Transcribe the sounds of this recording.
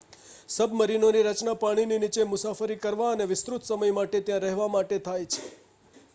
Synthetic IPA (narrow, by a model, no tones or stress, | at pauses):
səbməɾinoniɾət͡ʃnapaɽ̃ininit͡ʃemʊsafəɾikəɾʋaəneʋɪst̪ɾut̪səməjmaʈet̪jãɾɛɦʋamaʈet̪ʰajt͡ʃʰe̥